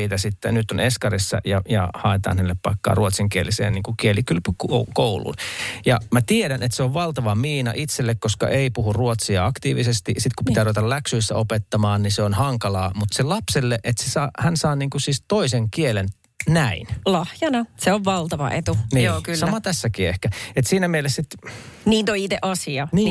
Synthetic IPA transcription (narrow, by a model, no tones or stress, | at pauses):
iːt̪æsit̪ːḛnyt̪oneskɑrisːɑ̰jɑjɑ̰hɑˑet̪ɑ̰ːnhænelːeppɑikːɑ̰ːruot̪siŋkielisḛːniːŋkukielikylpykokoulṵnjɑmæt̪ieɾænet̪seoʋʋɑlt̪ɑʋɑmiːnɑ̰ʔit̪selːekkoskɑ̰ʔeipuhurruot̪siɑɑkt̪iːʋisest̪isit̪kupit̪æːuʋet̪ɑlæksyisːæ̰opet̪ːɑmɑːnniseonhɑŋkɑlɑːmut̪selɑpselːeʔet̪sesɑːhænsɑːniːŋkusiːst̪oiseŋkielen | næinlɑhjɑnɑseoʋʋɑlt̪ɑʋɑ̰ʔet̪unijoːkysɑmɑt̪æsːækiːehkæet̪siːnæmelːˑessit̪niːt̪oit̪eʔɑsiɑniː